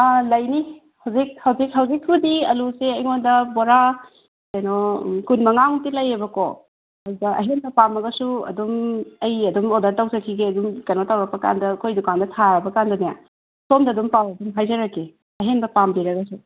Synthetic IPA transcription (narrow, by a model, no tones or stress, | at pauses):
alɐjni | hɐwzik̚hɐwzik̚ɦɐwzikʰːudiɐluseɐjŋondɐboɾa | kɐjnokunmɐŋaŋtilɐjebɐko̰ | ɐdudɐʔɐ̰ɦenbɐpamɐɡɐsuɐ̰dumɐjɐdumodɐɾtawsɐkʰiɡeɐdumkɐnotawɾɐk̚pɐka̰ndɐkʰojdukandɐtʰaɾɐbɐkandɐnija | somdɐdumpawɐdumɦajzɐɾɐkːe | ɐɦenbɐpambiɾɐɡɐsu